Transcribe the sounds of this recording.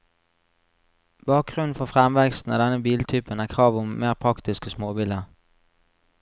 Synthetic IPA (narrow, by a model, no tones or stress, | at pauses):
b̥ɑːk̚ɡʁʉnn̩fɔfʁɛmʋɛkst̪n̩ɑ̰d̪ɛnəbiːlt̪ʰyːpənæːʁkʰʁɑːʋʊmmeːʁpʰʁɑkt̪ɪskəsmoːbiːləʁ